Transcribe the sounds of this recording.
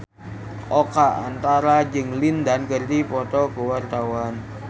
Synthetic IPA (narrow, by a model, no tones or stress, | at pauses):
ʔɔkaa̰nt̪aɾad͡ʒɨŋlindankərd̪ipɔt̪ɔɡuwart̪awan